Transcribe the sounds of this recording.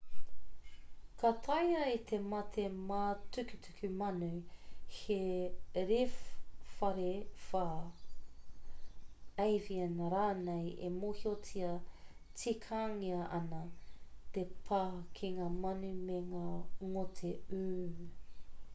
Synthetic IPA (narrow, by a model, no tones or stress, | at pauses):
katʰɐjɐit̪ʰemɐt̪ʰemaːtʉkytʰʉkʰʉmɐnʉheɾiffɐɾefa | ejviɐnɐɾaːnejḛmohiot͡siɐ | t͡sikʰaːŋiɐʔɐnɐt̪epʰaːkʰiŋaːmɐnʉmeŋaːŋotʰeʉː